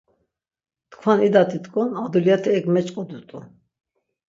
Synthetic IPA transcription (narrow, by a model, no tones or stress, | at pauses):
t̪kʰwanid̪at̪ʰʼit̪kʼɔnad̪uljat̪ʰɛɛɡmɛt͡ʃʼqʼɔd̪ut̪ʼu